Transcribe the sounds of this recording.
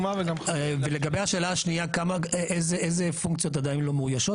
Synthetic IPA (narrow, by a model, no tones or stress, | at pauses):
maveɡamveleɡabejhaʃeːlaːʃniakamaʔezeʔezefuŋkt͡sijo̞t̪̬ad̪ainlo̞meujaʃo̞